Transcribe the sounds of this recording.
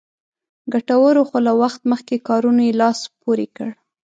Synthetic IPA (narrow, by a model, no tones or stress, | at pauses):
ɡaʈawəɾoxolawaxt̪məxkekɑɾunojelɑspoɾekəɽ